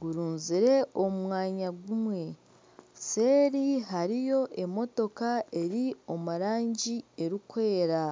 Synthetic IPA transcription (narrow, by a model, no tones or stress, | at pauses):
ɡuɾuːnziɾe̞omumwaːɲaɡumwe̞ | se̞ːɾiɦaɾijo̞ʔe̞mo̞to̞kae̞ɾio̞muɾaːɲɟie̞ɾikwe̞ːɾa